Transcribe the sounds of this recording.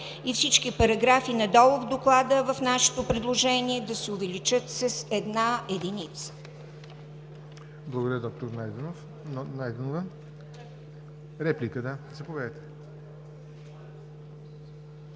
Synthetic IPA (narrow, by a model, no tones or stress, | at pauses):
ifsit͡ʃkipɐɾɐɡɾafinɐd̪ɔlˠʊvd̪oklˠad̪əvɐfnaʃɛ̥t̪opɾɛd̪lˠoʒɛniɛd̪ɐsɛʊvɛlit͡ʃɤt̪sɐsɛd̪naɛd̪init̪sə̥ | blˠɡod̪əɾʲəd̪ɔk̚t̪oɾnajd̪ɛnf | najd̪ɛnovə | ɾɛplikəd̪azɐpovɛt̪ɛ̥